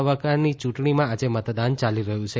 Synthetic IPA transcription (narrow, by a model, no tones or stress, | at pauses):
ʋəkanit͡ʃũʈɳimãad͡ʒemət̪d̪ant͡ʃaliɾəɦũt͡ʃʰe